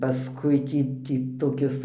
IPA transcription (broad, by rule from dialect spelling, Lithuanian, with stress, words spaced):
pɐˈskʊɪ ˈtʲiː ˈtʲiː toːˈkʲɪs